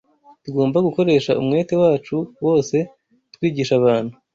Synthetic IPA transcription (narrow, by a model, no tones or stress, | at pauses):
tuɡo̞ːmbaɡuko̞ɾe̞ʃaʔumŋe̞ːte̞waːt͡ʃuwo̞ːse̞ | twiːɟiːʃaβaːn̥hu